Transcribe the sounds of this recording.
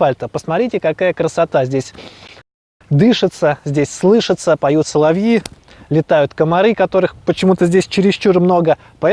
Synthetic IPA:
alʲt̪əpəsmɐt̪ɾʲitʲɪkɐkajəkɾəsɐt̪azʲdʲesʲ | d̪ɨʂɨt̪səzʲdʲesʲslˠɨʂɨt̪səpɐjut̪səlˠɐvji | lʲɪt̪ajʊt̪kəmɐɾɨkɐt̪o̞ɾɨxpət͡ɕɪmut̪əzʲdʲesʲt͡ɕɪɾʲɪst͡ɕurmno̞ɡə | pɐɛ

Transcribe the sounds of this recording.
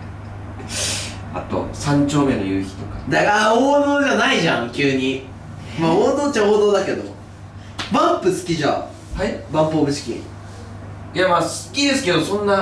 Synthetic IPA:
a̰t̪o̞̰sãɲ̟t͡ɕo̞ːme̞no̞jɯːçʲi̥t̪o̞kḁd̪aɡaoːamɯɡanaiʑã̰ŋkʲɨːɲ̟i | maot̪oːt͡ɕahoːd̪oːd̪ake̞d̪o̞̰ | bãmpɯ̟sɨ̥kʲiʑa̰ | haibãmpoːɡɯ̟sɨ̥kʲḭ | jamaːsɨ̥kʲid̪e̞sɨ̥ke̞d̪o̞sõ̞nːa

